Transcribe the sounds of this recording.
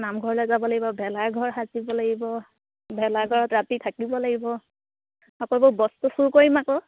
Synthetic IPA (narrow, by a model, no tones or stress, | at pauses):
namɡʱɔɹɔlɔjzabɔlaɡibɔbʱɛlaɹɡʱɔɹɦazibɔlaɡibɔ | bʱɛlaɡʱɔɹɔtɹatitʰakibɔlaɡibɔ | ɔkɔbobɔstusuɹkoɹimakɔ